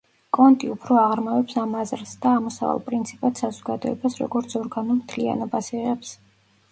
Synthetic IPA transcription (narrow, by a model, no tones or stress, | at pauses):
kʼɔnt̪ʼiupʰɾɔaʁɾmavɛpsamazɾsd̪aːmɔsa̰va̰lˠpʼɾint̪sʰipʼat̪ʰsazɔɡad̪ɔɛbasɾɔ̰ɡɔɾt̪sʰɔɾɡanɔmt̪ʰlia̰nɔbasiʁɛps